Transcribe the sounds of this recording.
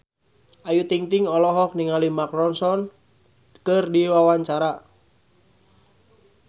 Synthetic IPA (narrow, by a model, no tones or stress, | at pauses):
ʔajut̪iŋt̪iŋɔlɔɦɔk̚niŋalimakɾɔnsɔn | kɨrdiwawaɲt͡ʃaɾa